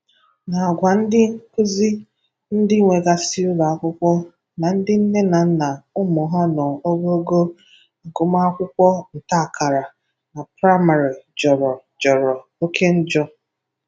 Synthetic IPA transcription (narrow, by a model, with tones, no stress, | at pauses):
na˨a˨ɡʷa˨n̩˦dɪ˦ŋ˦kʊ˦zi˦ | n̩˦dɪ˦ŋʷe˨ɡa˨si˦ʊ˦ɾa˨a˨kʷʊ˦kʷɔ˦ | na˨n̩˦dɪ˦n̩˦ne˦na˨n̩˦na˨ʊ˦mɔ˨ɦa˦nɔ˨o˦ɡo˦o˦ɡo˦˨ | ɡʊ˨ma˦a˦kʷʊ˦kʷɔ˦n̩˨ta˦a˨ka˨ɾa˨ | na˨pɾa˦ma˨ɾi˨d͡ʒɔ˨ɾɔ˨ | d͡ʒɔ˨ɾɔ˨ | o˦kʰe˦n̩˦d͡ʒɔ˦